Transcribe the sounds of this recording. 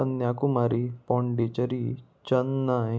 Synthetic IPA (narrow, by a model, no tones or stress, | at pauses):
ənjakumaɾipɔ̃ɳɖit͡ɕəɾi | t͡ɕənːa